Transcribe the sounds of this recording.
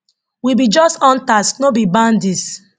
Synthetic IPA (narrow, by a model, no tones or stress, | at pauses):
wibid͡ʒɔstɔ̃ntastnobibãndis